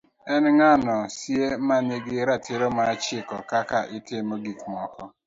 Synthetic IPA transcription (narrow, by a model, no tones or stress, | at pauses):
enŋanɔsiemaneɡɪɾatʰɪɾomat͡ʃɪkɔkakaʔɪtɪmoɡikmɔkɔ